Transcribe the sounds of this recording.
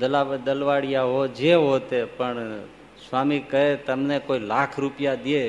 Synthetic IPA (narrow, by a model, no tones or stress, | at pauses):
d̪əlaʋd̪əlʋaɽijaɦod͡ʒeɦot̪epəɳ | sʋamikəɦet̪əmnekoilakʰɾupijad̪ie